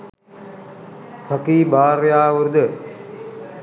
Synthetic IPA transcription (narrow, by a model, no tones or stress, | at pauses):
sɐkiːbaːrjaːʋuɾd̪ə